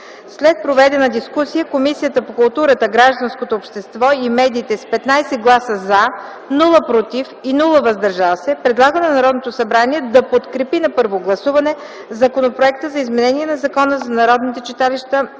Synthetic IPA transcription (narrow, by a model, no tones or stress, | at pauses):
slɛt̪̚pɾovɛd̪ɛnɐd̪iskusijəkomisijət̪əpokʊlˠt̪uɾət̪əɡɾaʒd̪ɐnskot̪oːpʃt̪ɛst̪vɔimɛd̪iːt̪ɛspɛt̪najsɛɡlˠasəza | nulˠəpɾot̪ifinulˠəvɐzd̪ɐɾʒalˠsɛpɾɛd̪lˠaɡənɐnɐɾɔd̪not̪osɐbɾaniɛd̪ɐpot̪kɾɛpinɐpəɾvoɡlˠɐsuvɐnɛ | zɐkonopɾoɛk̚t̪əzɐizmɛnɛniɛnɐzɐkɔnəzɐnɐɾɔd̪nit̪ɛt͡ʃɛt̪aliʃt̪ə